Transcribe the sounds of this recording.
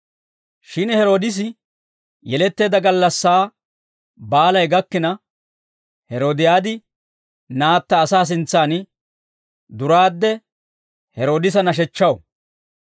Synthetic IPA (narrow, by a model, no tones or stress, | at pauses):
ʃɪnhɛɾo̞ːd̪ɪs̬ɪ | jɛlɛt̪ːe̞ːd̪ɐɡɐlːɐsːaː | baːlɐjɡɐkːɪnɐ | hɛɾo̞ːd̪ɪjaːd̪ɪ | naːt̪ːɐːsaːs̬ɪnt͡sːaːn | d̪ʊɾaːd̪ːɛ | hɛɾo̞ːd̪ɪs̬ɐnɐʃ̬ɛt͡ʃːɐw